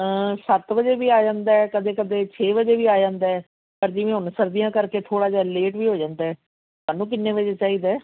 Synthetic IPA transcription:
əsət̪ʋəd͡ʒeːʋiːaːd͡ʒãːnd̪aːɛːkəd̪eːkəd̪eːt͡ʃʰeːʋəd͡ʒeːʋiːaːd͡ʒãːnd̪aːɛː | pəɾd͡ʒɪʋẽːɦʊnsəɾd̪ijãːkəɾkeːt̪ʰoːɽaːd͡ʒaːleːʈʋiːɦoːd͡ʒãːnd̪aːɛː | maːnũːk̬ɪnːẽːʋəd͡ʒeːt͡ʃaːiːd̪ɛː

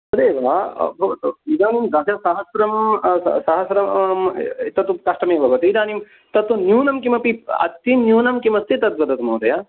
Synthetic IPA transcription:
ɐd̪eːʋa̰ːbʱɐʋɐt̪uid̪aːnimɡaːt̪ɐsɐɦɐsɾɐm̰sɐɦɐsɾɐm | t̪ɐt̪ukɐʂʈɐmeːbʱɐʋɐt̪uid̪aːnim | t̪ɐt̪unjuːnɐmkimɐpiɐ̰t̪ːinjuːnɐmkimɐst̪ʰit̪ɐt̪̚ʋɐd̪ɐt̪umɐːt̪ɐjaː

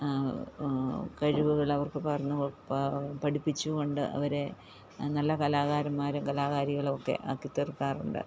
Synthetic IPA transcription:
kɐɻiʋuɣɐɭɐʋɐrkɨpɐrɐɲːu | pɐɽipːit͡ɕːuɣo̞ɳɖɨ̰ʔɐ̰ʋɐɾe | nɐlːɐkɐlaːɣaːɾɐmːaːɾumkɐlaːɣaːɾiɣɐɭokːe̞̰ʔa̰kːit̪ːerkaːrṵɳɖɨ̰

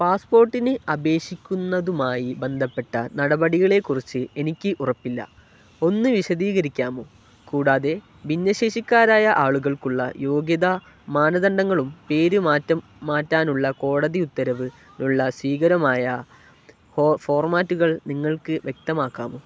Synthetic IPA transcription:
paːspo̞ːrʈːinɨɐbe̞ːɕikʲːunːɐðumaːjibe̞nd̪ʱɐpːe̞ʈːɐnɐɽɐbɐɽiɣɐɭe̞kːurit͡ɕːɨe̞nikʲːɨʔurɐpːilːɐ̰ | o̞nːɨʋiɕɐðiːɣɐɾikʲːaːmo | kuːɽaːðe̞ | binːɐɕe̞ːɕikʲːaːɾaːjɐʔaːɭuɣɐɭkuɭːɐ̰jo̞ːɡjɐðɐ | maːnɐðɐɳɖɐŋːɐɭumpe̞ːɾɨmaːtːɐmːaːtːaːnuɭːɐko̞ːɽɐðiut̪ːɐɾɐʋɨ | nuɭːɐsʋiːɣɐɾɐmaːjɐ | fo̞ːrmaːtːuɣɐɭniŋːɐɭkɨʋje̞k̚t̪ɐmaːkːa̰ːmo

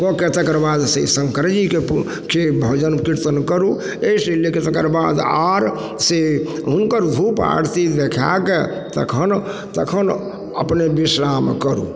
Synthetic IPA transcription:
kɔket̪əkəɾbad̪sḛsəŋkɾəd͡ʒike | kebʱod͡ʒənkiɾt̪ənkəɾu | eseleket̪əkəɾbad̪aɾ | seɦunkəɾd̪ʱupa̰ɾt̪id̪ekʰa̰ke | t̪ə̰kʰən | t̪əkʰən | ə̰pnebisɾamkəɾṵ

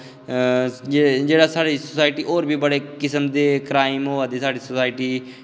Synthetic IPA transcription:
d͡ʒd͡ʒeːɽaːsaːɽiːsosaːɪʈiːʔoːɾbʱiːbəɽeːkɪsəmd̪eːkɾaːɪmɦoːaːd̪esaːɖiːsosaːɪʈiː

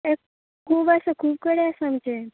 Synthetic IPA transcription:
e | kʰubasekʰuːbkəɽjasamt͡ʃʰe

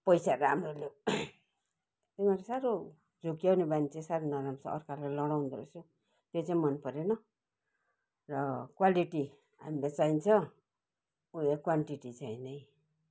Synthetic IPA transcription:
pʌjsaɾamrolo | t̪imaɾesaɾo | d͡zokijawnebanit͡sʰesaɾonʌɾamt͡sʰʌ̰ʌ̰rkaɾlalʌɽaw̃nd̪ʌɾʌ̰su | t̪et͡saĩmʌnpʌɾenʌ | rʌkwaliʈi | a̰milet͡sajnt͡sʰʌ | uekwaɳʈiʈit͡saĩnʌj

